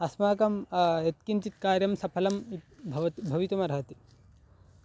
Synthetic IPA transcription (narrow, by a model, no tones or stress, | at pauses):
ɐsmaːkɐmet̪kint͡ʃit̪̚kaːɾjɐmsɐpʰɐlɐmibʱɐʋɐt̪ibʱɐʋit̪umɐɾɐɦɐt̪i̥